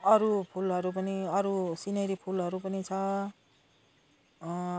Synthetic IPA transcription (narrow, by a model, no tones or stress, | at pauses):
ʌɾupʰulɦʌɾup̬ʌniʌɾusinʌɾipʰulɦʌɾupʌnit͡sʰʌ